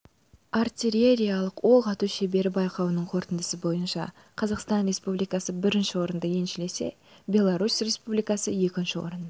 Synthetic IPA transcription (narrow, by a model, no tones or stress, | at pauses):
art̪ʲiɾʲe̞ɾʲijɑlˠəqwo̞lˠʁɑt̪uʃe̞be̞ɾɪbɑjqɑwənəɴqʰo̞ɾt̪ənd̪əsəbo̞jənʃɑ̰ | qʰɑzɑqst̪ɑnɾʲe̞spublijkɑsəbɪɾɪnʃɪwo̞ɾənd̪əje̞nʃɪle̞se̞̰ | bʲe̞lˠaɾusrʲe̞spublijkɑsəje̞kʲɪnʃɪwo̰ɾən